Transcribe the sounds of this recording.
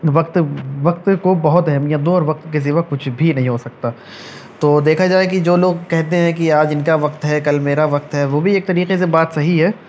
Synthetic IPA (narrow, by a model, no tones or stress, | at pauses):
ʋɐq̚t̪ʋɐq̚t̪kobɐɦʊt̪ɛɦɛmjãd̪õɔːɾʋɐq̚t̪kezɪʋakʊt͡ʃʰbʱinɐɦĩɦosɐk̚t̪aː | t̪oːd̪eːkʰad͡ʒaːek̬id͡ʒoːloːɡkɛɦt̪eɦɛ̃kiaːd͡ʒɪnkaʋɐqt̪ɦɛkɐlmeːɾaʋɐq̚t̪ɦɛʋoːbʱieːk̚t̪ɐɾiːqes̬ebaːt̪sɐɦiɦɛː